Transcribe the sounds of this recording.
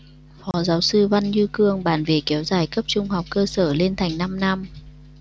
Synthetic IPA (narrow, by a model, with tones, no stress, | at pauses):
fɔ˨˦zaː˨˦wsɨ˧va˧nɲɨ˧kɨ˧əŋɓaː˧˩nvḛ˨˧˩kɛ˨˦wzaː˧˩jkə˦˥p̚t͡ɕʊ˧ŋ͡mha˨˩wk͡p̚kəː˧səː˧˩le˧nt̪ʰa˨˩jŋ̟na˧mna˧m